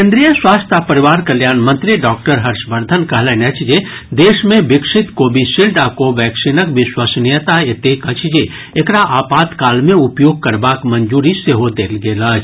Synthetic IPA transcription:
kẽnd̪ɾijəswaːst̪ʰapɐɾɪʋaːɾkɐljaːnmɐ̃nt̪ɾiɖɔːk̚ʈəɾɦɐɾʃbɐɾd̪ʱənkɐɦləːnɐt͡ʃʰd͡ʒe | d̪eːʃmẽbɪkʂɪt̪koːbʱiʃilɖakoʋɛːksinəkʋɪʃwasnijət̪aet̪eːkɐt͡ʃʰd͡ʒe | ekɾaʔaːpaːt̪kaːlmẽʊpjoːɡ̚kɐɾbaːkmɐɲd͡ʒuːɾiseɦod̪eːlɡeːlaːt͡ʃ

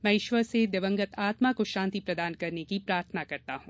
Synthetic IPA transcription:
mɛ̃ːɪʃʋəɾsed̪eʋə̃ŋɡət̪ʰaːt̪makoʃãːnt̪ipɾɐd̪aːnkɐɾnekipɾaːɾʰənakɐɾt̪aɦũː

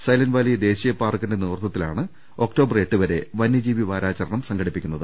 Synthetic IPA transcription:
sɐjlɐnʋaːlijɐd̪e̞ːɕijɐpːaːrkːindeniʋrt̪ːɐt̪ːila̰ːɳɨ | o̞kʈo̞ːbɐre̞ʈːɨʋɐɾe̞ʋɐnːid͡ʑiːʋiʋaːɾaːt͡ɕɐɾɐɳɐmsɐŋɡʰʱɐɽipːikʲːunːɐðɨ

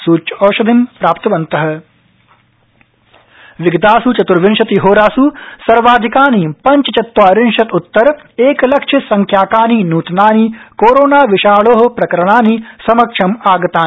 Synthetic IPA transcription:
suːt͡ʃɔːʃɐd̪ʱimpɾaːpt̪ɐʋɐnt̪ɐɦɐ̆ | ʋɪɡɐt̪aːsut͡ʃɐt̪uɾʋɪnʃɐt̪iɦoːɾaːsusɐɾʋaːd̪ʱikaːnipɐɲt͡ʃɐt͡ʃɐt̪ːwʋaːɾɪnʃɐt̪ut̪ːɐɾ | eːkɐlɐkʂʰɐsɐŋkʰjaːkaːninuːt̪naːnikoːɾoːnaːʋɪʃaːɭoːɦɐ̆pɾɐkɐɾɐɽ̃aːnisɐmɐkʂʰɐmaːɡɐt̪aː

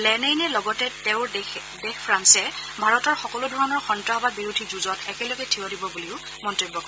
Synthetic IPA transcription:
lɛnenɛlɔɡɔtɛtɛʊ̃ɹ | dexpʰɹansɛbʱaɹɔtɔɹxɔkɔlʊdʱɔɹɔnɔɹxɔntɹaɦɔbabiɹudʱizuzɔtɛkɛlɔɡɛtʰiɔdibɔbuliʊ | mɔntojbːɔkɔɹ

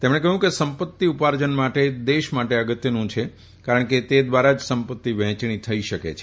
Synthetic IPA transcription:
t̪emɽ̃ɳekəɦjũkesəmpət̪ːiupaɾd͡ʒənmaʈed̪eʃmaʈeəɡət̪jənũt͡ʃʰe | kaɾəɳket̪ed̪ʋaɾad͡ʒsəmpət̪ːiʋɛ̃ɦt͡ʃɳ̃it̪ʰəiʃəkḛt͡ʃʰ

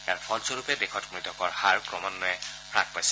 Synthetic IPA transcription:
aɹpʰɔlsɔɹupɛdekʰɔtmɹitɔkɔɹhaɹkɹɔmɔnːɔɛpʰɹa̰k̚pajsɛ̥

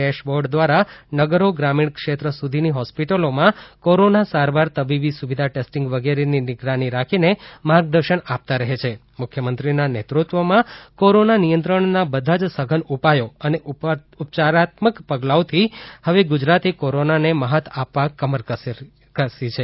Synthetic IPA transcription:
eʃboɾɖd̪ʋaɾanəɡəɾoɡɾamiɳkʃet̪ɾəsud̪ʱiniɦɔspiʈəlomãkoɾonasaɾʋaɾt̪əbibisuʋid̪ʱaʈesʈiŋɡʋəɡeɾeninɪɡɾaniɾakʰinemaɾɡ̚d̪əɾʃəɳap̚t̪aɾəɦet͡ʃʰe | mʊkʰjəmənt̪ɾinanet̪ɾut̪ʋomãkoɾonanijənt̪ɾəɳnabəd̪ʱad͡ʒsəɡʱənupajoəne | upt͡ʃaɾat̪məkpəɡlawt̪ʰihəʋeɡud͡ʒɾat̪ikoɾonaneməɦət̪ʰapʋakəməɾ | kəsit͡ʃʰe

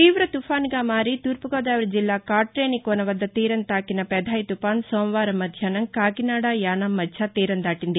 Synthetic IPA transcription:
t̪iːʋɾɐt̪ufʰaːnɡaːmaːɾit̪uɾpuɡoːd̪aːʋɐɾd͡ʒilːaːkaːʈɾeːnikoːnɐʋɐd̪ːɐt̪iːɾɐnt̪aːkinɐpɛd̪ʱaːjit̪upaːnsoːmɐʋaːɾɐmɐd̪ʱjaːnɐŋkaːkinaːɽaːjaːnamːɐdt͡ʃʰat̪iːɾɐnd̪aːʈind̪i

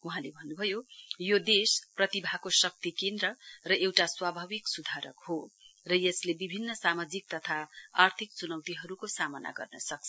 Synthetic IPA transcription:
uɦãlebʱʌnːubʱʌjojod̪esprʌt̪ibʱakosʌk̚t̪ikend̪rʌrʌʔewʈaswabʱabiksud̪ʱaɾʌkhorʌjeslebibʱinːʌsamad͡zik̚t̪ʌt̪ʰaa̰rt̪ʰik̚t͡sunʌwt̪iɦʌɾukosamʌna̰ɡʌ̰rnʌ̰sʌk̚t͡sʰʌ

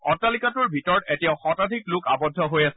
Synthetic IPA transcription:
ɔtalikatʊɹbʱitɔɹɔtetijaʊxɔtadʱiklʊkabɔdʱːɔɦojasɛ

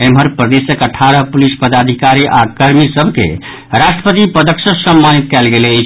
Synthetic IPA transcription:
emɦəɾpɾəd̪esjəkəʈʰaɾəpulispəd̪ad̪ʱikaɾiʔa̰kəɾmisəbʱkḛ | ɾaʃʈɾə̥pət̪ipəd̪əksəsəmːanit̪̚kɛlɡelet͡ʃʰ

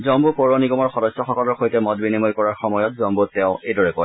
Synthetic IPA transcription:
zɔmbupɔɹɔniɡɔmɔɹxɔdɔsɔxɔkɔlɔɹxojtɛmɔt̚binimɔjkɔɹaɹxɔmɔjɔtzɔmbutːɛʊ̃ʔejdɔɹɛkɔ

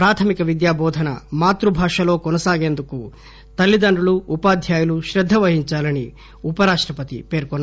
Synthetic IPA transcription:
pɾaːt̪ʰɐmikɐʋid̪jaːbɔːd̪ʱɐnɐmaːt̪ɾubʱaːʂɐlo̞ːkɔnɐsaːɡe̞ːnd̪uku | t̪ɐlːid̪ɐɳɖuluːpaːd̪ʱjaːjɐluʃɾɐd̪ʱːɐʋɐɦiɲt͡ʃaːlɐni | upɐɾaːʂʈɾɐpɐt̪ḭpe̞ːɾkɔnː

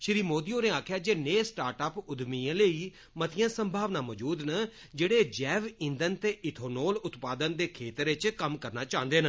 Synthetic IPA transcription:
ʃɾiːmoːd̪iõːneːaːkʰjaːd͡ʒeːneːsʈaːɾʈəːpʊd̪miːãːləiː | mət̪ʰɪjãːsəmbʱaːʋnãːmɔːd͡ʒuːd̪nə | d͡ʒeːɽeːd͡ʒɛːʋɪ̃nd̪ənt̪eːʔɪt̪ʰoːnoːlʊt̪paːd̪ənd̪eːkʰeːt̪əɾɪt͡ʃkəmkəɾnaːt͡ʃãːnd̪eːnə

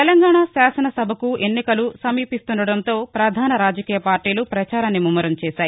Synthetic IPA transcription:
t̪elɐŋɡaːɳasaːsɐnɐsɐbʱɐkue̞nːikɐlusɐmiːpist̪unɖɐɽɐnt̪o̞ːpɾɐd̪ʱaːnɐɾaːd͡ʒɐkiːjɐpaːɾʈiːlupɾɐt͡ʃaːɾaːnːimumːɐɾɐmt͡ʃɛːʃaːji

